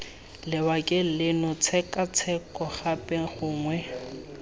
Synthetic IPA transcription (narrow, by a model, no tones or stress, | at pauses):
lɪbakʼɪlɪnɔt͡sʰɛkʼat͡sʰɛkʼɔχapʼɛχʊːŋwɛ